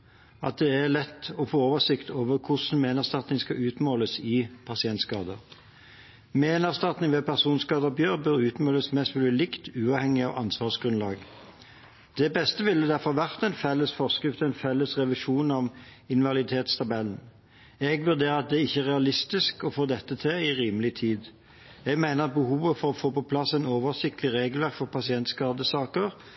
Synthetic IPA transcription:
ɑ̰t̪̚d̪ɛæʁlɛt̪ːɔfoːoːʋəsɪkt̪ʰoːʋəʁkʰʊsn̩meːnəʁst̪ɑt̪nɪŋskɑʉːt̪moːləsɪpʰɑsɪɛnt̪skɑ̰ːd̪ə̰ʁ | meːnəʁst̪ɑt̪nɪŋʋɛpʰæʁsuːnskɑːd̪əɔbjøːʁbœɾʉːt̪moːləsmɛst̪ʋʉlɪlɪkt̪ʉːɑːʋhɛŋːɪɑ̰ʋʔɑ̰nsʋɑːʁsɡ̥ʁʉnlɑ̰ːɡ | d̪̥ɛbɛst̪əʋɪlːəd̪æʁfɔʁʋæʁt̪ɛɪnfɛlːəsfɔʁskʁɪft̪ɛɪnfɛlːəsʁɛʋɪʃuːnɔmɪnʋɑlɪt̪ʰeːt̪st̪ʰɑbɛlːn̩ | ɛɡʋʉʁd̪eːɑt̪̚d̪ɛɪçːəæʁɛɑlɪst̪ɪskɔfoːd̪ɛt̪ːət̪ʰɪɪʁiːməlɪt̪ʰiːd̪ | ɛɡmæɪnəʁɑt̪̚bəhuːʋəfɔʁɔfoːpɔpʰlɑsːæɪnoːʋəʁsɪk̚t̪əlɪʁeːɡəlʋæʁkfɔʁpɑsɪɛnt̪skɑːd̪əsɑːkəʁ

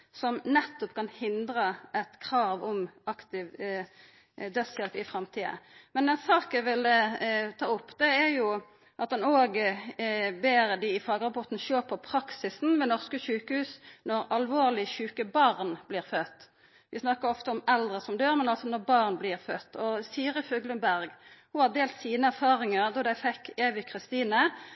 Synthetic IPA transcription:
sɔmnɛt̪ːɔpkɑnhɪnd̪ɾəʔɛt̪kʰʁɑːʋɔmɑkt̪ɪʋ | d̪œt̪sjɛlpɪfʁɑmt̪ʰiːə̰mɛnɛnsɑːkæʋɪld̪ət̪ʰɑːʊpːd̪ɛæɾjʊ | ʔɑt̪̚d̪ɛnoːɡ | beːɾəd̪ɪɪfɑːɡəʁɑpɔʁt̪n̩ʃøːpʰɔpʰɾɑksɪsn̩ʋɛnɔʁskəʃʉːkəhʉːsnɔɾɑlʋoːʁlɪçʉːkəbɑʁnblɪːʁfœt̪ː | ʋɪsnɑkəɾɔft̪əɔmɛld̪ʁəsɔmd̪øːʁmɛnɑlsɔnɔʁbɑʁnblɪʁfœt̪ːɔsiːɾəføːɡlʉnbæʁɡhʊhɑd̪eːlt̪siːnəæʁfɑːɾɪŋəʁd̪ɔd̪æɪfɛkːeːʋɪkʰʁɪst̪iːnə

